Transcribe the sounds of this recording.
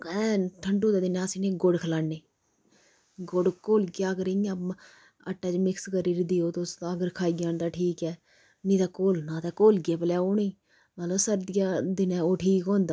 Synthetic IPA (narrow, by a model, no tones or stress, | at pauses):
ɛ̃ːʈʰəɳɖuːd̪aːd̪ɪnɛːəsiːnẽːɡoɽkʰəlaːnːeː | ɡoɖkoːlɡjaːəɡəɾea | əʈːaːt͡ʃmɪkskəɾiːɾd̪ioːt̪osəɡəɾkʰaːiɡjaːnd̪aːʈʰiːkɛː | nĩːt̪aːkoːlnãːt̪aːkoːlɡɪaːpəlaːoːniː | mələbsəɾd̪ɪjaːd̪ɪnɛːoːʈʰiːkɦõːnd̪aː